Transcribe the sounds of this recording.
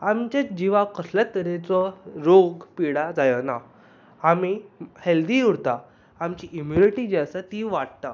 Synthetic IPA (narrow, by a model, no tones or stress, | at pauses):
amt͡ɕad͡ʑiʋakəslat̪əɾet͡sɔɾoɡpiɽad͡zajənaː | miheld̪iːuɾt̪a | amt͡ɕiʔimjuniʈid͡ʑasat̪iʋaʈ̚t̪a